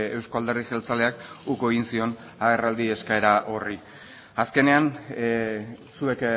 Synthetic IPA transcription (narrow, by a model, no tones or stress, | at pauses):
e̞wsko̞ald̪e̞ɾðiʝelt͡sale̞akukoeɣinsio̞n | aɣe̞rald̪ie̞skae̞ɾaʔo̞ri | aske̞ne̞an | sue̞k